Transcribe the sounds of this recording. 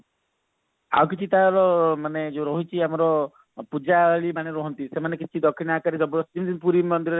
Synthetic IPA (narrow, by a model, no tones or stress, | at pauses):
a̰wk̬it͡ʃʰit̪aɾɔmaned͡ʒoɾɔɦit͡ʃʰiamɔɾɔ | pud͡ʒaɭimaɽ̃eɾɔɦɔnt̪isemanekit͡ʃʰid̪ɔkʰːinakaɾid̪ɔbɾɔstimd̪inpuɾimɔnd̪iɾɔɾe